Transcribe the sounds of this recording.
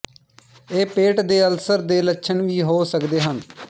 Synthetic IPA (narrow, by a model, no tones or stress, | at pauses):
eːpeːʈd̪eːəlsəɾd̪eːlətːʃʰənʋiːɦoːsəkd̪eːɦən